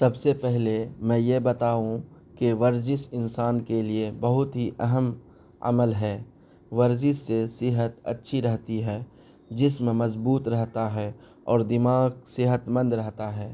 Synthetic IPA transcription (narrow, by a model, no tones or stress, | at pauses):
sɐbsepɛɦlemɛ̃ːjebɐt̪aːũ | keʋɐɾd͡ʒɪsɪnsaːnkeliebɐɦʊt̪ɦiʔɐɦəm | ə̰məlɦɛː | ʋɐɾd͡ʒisːesɪɦət̪ɐ̰tːʃʰiɾɛɦt̪iɦɛː | d͡ʒɪsmẽmɐzbuːt̪ɾɛɦt̪aɦɛ | ɔːɾd̪ɪmaːɡsɪɦət̪mə̃nd̪ɾɛɦt̪aɦɛː